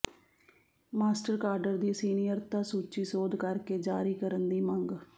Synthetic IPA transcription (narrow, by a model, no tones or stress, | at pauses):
maːsʈəɾkaːɾɖəɾd̪iːsiːnijəɾt̪ãːsuːt͡ʃiːsoːd̪kəɾkeːd͡ʒaːɾiːkəɾənd̪iːmə̃ŋɡ